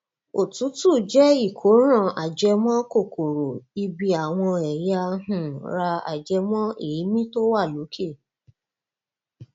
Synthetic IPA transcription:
o˨tu˨˦tu˦˨d͡ʒɛ˦i˦˨kʰo˨˦ɾ̃ã˦˨a˨d͡ʒɛ˧mɔ̃˦ko˦˨kʰo˨ɾo˨i˧bi˧a˨w̃ɔ̃˧ɛ˨ja˧hũ˨ɾa˧a̰˨d͡ʒɛ˧mɔ̃˦e˨ji˨˦mĩ˦to˦wa˦˨lo˨˦kʰe˦˨

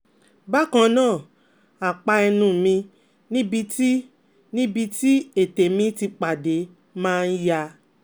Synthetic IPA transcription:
ba˦kã˧nãː˦˨ | a˨k͡pa˧ɛ˧nũ˧˨mĩ˧ | nĩ˦bi˧ti˦ | nĩ˦bi˧ti˦e˨te˨mĩ˧ti˧k͡pa˨de˨˦ | mãː˦˧n̩˦ja˧

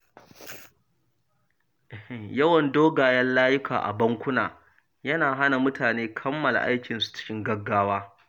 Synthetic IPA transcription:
ʔjɐ˦wɐ˨ndoː˦ɡaː˨jɐ˦nlaː˦jʊ˦kʰa̰ː˨ʔa̰˨bɐ˦ŋkʷʊ˦na̰ː˨ | jɐ˦naː˨ɦa˦na˨mʊ˦tʰaː˨neː˦kʰɐ˦mːɐ˨la̰˨ʔa˦jkʲɪ˨nsu̥˨t͡ʃɪ̥˦kʲɪ˦ŋɡɐ˦ɡːaː˦waː˦

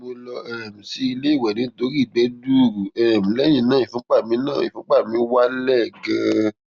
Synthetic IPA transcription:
mo˧lɔ˧ɛ˦˨m̩̃˨si˧i˧le˦i˦˨wɛ˨nĩ˨˦to˨˦ɾi˦˨ɡ͡bɛ˨˦du˦˨ɾu˨ɛ˨m̩̃˨lɛ˦j̃ĩ˦˨nãː˦˨ĩ˨fõ˨˦k͡pa˦˨mĩ˨˦nã˦˨ḭ̃˨fõ˦k͡pa˦˨mĩ˨˦wa˦lɛ˦˨ɡã˧˦

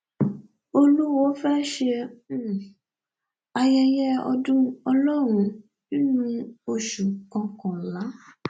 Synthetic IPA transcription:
o˧lu˦wɔ˦fɛ˦ʃe˧˦˨ | a˧jɛ˧jɛ˦ɔ̰˧dũ˦ɔ˧lɔ˦ɾ̃ũ˧˦ | nĩ˦nũ˧o˧ʃu˨kɔ̃˨˧kɔ̃˨la˨˦

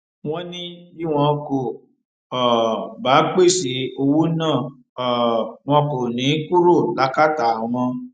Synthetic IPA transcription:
w̃ɔ̃˦nĩ˦i˦w̃ɔ̃˧ko˨ | ɔ˨ba˨˦k͡pe˦˨si˨˦o˧wu˦nãː˦˨ | ɔ˨w̃ɔ̃˧ko˨nĩ˨˦ku˦ɾo˦˨la˦ka˦ta˨ũ˨˧mɔ̃˧

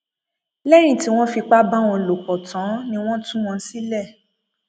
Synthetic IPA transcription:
lɛ˦ɾ̃ĩ˦˨ti˨˦w̃ɔ̃˦fi˧k͡pa˦ba˦w̃ɔ̃˧˨lo˨kɔ˨tã˨˦nĩ˧w̃ɔ̃˦tũ˦w̃ɔ̃˧˦si˦lɛ˦˨

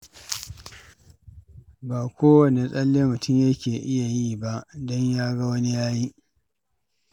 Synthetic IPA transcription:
baː˨kʷoː˦wɐ˨ne˨sʼɐ˦lːeː˦mʊ˨tʊ˦mja˦kʲeː˨ʔɪ˦ja˨jiː˦ba˦ʔdɔ˦ɲjaː˦ɡa˦wɐ˦ni˦jaː˦ji˦ʔ

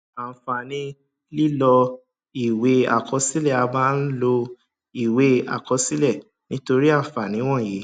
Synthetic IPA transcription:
a˨fa˨nĩ˧ | li˦lɔ˧ | i˦˨we˦a̰˦˨kʰɔ˧si˦lɛ˦˨a˧ba˦˧n̩˦lo˧ | i˦˨we˦a̰˨kɔ˧si˦lɛ˦˨ | nĩ˨˦to˧ɾi˦a˦˨fa˨nĩ˨˦w̃ɔ̃˦˨je˨˦

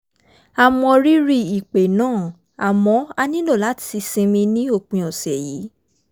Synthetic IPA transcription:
a˨mɔ̃˧ɾi˦ɾi˧i˨k͡pe˨nãː˦˨ | a˨mɔ̃˧˦a˧nĩ˦lo˦˨la˨˦ti˧sĩ˧mĩ˧nĩ˦o˦˨k͡pĩ˧ɔ˨sɛ˨ji˨˦

